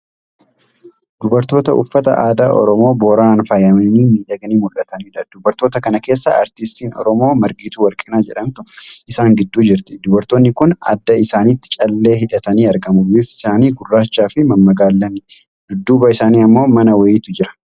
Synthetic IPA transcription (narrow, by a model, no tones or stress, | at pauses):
d̪̥ʊbɐɾt̪o̞ːt̪ɐʔʊ̰fːɐt̪ɐ̰ʔa̰ːd̪aːʔɔ̰ɾɔmo̞ːboːɾaːnfɐjɐmɛniːmiːd̪ɐɡɐniːmʊᶑɐt̪ɐniːᶑɐd̪̥ʊbɐɾt̪o̞ːt̪ɐkɐnɐke̞ːsːɐɐ̰ɾt̪ɪst̪iːnɔ̰ɾɔmo̞ːmɐɾɡiːt̪uːwɐɾkʼɪnaːd͡ʒɛᶑɐnt̪ʊɪsaːŋɡɪd̪ːuːd͡ʒɪɾt̪ɪ̥d̪ʊbɐɾt̪oːnːɪkʊnɐ̰d̪ːɐɪsaːnɪt̪ːɪ̥t͡ʃʼɐlːe̞ːɦɪᶑɐt̪ɐniːɐɾɡɐmʊbifɪ̥saːniːɡʊrːaːt͡ʃːaːfɪmɐmːɐɡaːlːɐnɪ | d̪̥ʊd̪ːuːbɐɪsaːniːɐmːo̞ːmɐnɐwɐjːt̪ʊd͡ʒɪɾɐ̥